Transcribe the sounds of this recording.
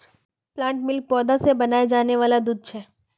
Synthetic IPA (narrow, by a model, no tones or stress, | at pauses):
plãːɳʈmɪlk̚pɔːd̪asebɐnaːed͡ʒaːneʋaːlad̪uːd̪̚t͡ʃʰɛː